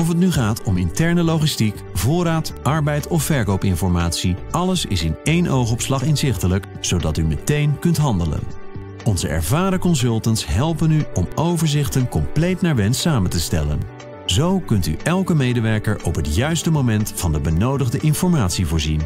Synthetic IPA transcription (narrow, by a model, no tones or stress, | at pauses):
ɔfɦət̬nyχaːtɔmɪntɛɹnəlowχistik | vʊːɾaːtʔɑɹbɛjtɔfːɛɹkowpɪnfɔɹmaːtsiʔɑləsɪ̰sɪnejnʔowχɔpslɑχɪnzɪχtələk | z̥owdɑtymətejnkɵntɦɑndələ̰n | ɔnzə̰ʔɛ̰ɹvaːɾəkɔnsɵlˠtəntsɦɛlˠpənyɔmowvəɹzɪχtənkɔmplejtnaːɹʋɛnsaːməntəstɛ̰lə̰n | zowkɵnty̰ʔɛlˠkəmejdəʋɛɹkəɹʔɔpɦətjœɥstəmowmɛntfɑndəbənowdəχdəʔɪnfɔɹmaːtsivʊːɹzin